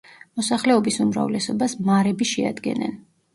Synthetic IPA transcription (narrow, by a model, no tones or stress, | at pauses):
mɔsaχlɛɔbisumɾa̰vlɛsɔbasmaɾɛbiʃɛa̰d̪ɡɛ̰nɛ̰n